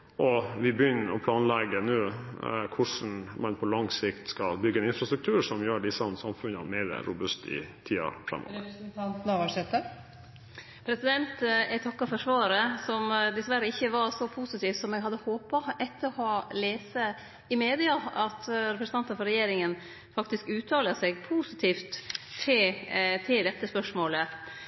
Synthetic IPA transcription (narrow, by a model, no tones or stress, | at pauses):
ʔɔʋɪbəjʏnːəɾɔ̰pʰlɑːnlɛɡənʉːkʰʊʂn̩mɑnpʰɔlɑŋsɪkt̪skɑlbʏɡːəɛnɪnfɾɑst̪ɾʉk̚t̪ʰʉːɾʂɔmjøːɖɪsəɑnsɑmfʉnəɑ̰meːd̪ɪə̰ɾʊbʉst̪ɪ̰t̪ʰiːɑ̰fɾɛ̰mːo̰ənt̪nɑʋɑʂɛt̪ə | pʰɾɛsɪd̪ɛnt̪ɛɪt̪ʰːɔkːɑfɔʂʋɑːɾəsɔmd̪ɛsʋæɾəɪçːəʋɑɾsɔpʰusɪt̪iːft̪sɔmɛɡɦɑd̪ːəhoːpɑɛt̪ːəɔleːsə | ɪmeːd̪ɪɑɑt̪ɾɛpɾəsn̩ɑnt̪əfɔɾɛjeːɾɪŋən | fɑkt̪ɪskʉːt̪ʰɑːləsɛɡpʰuːsɪt̪ʰiːft̪ʰːɪlt̪ʰɪld̪ɛt̪ːəspœʂmoːlə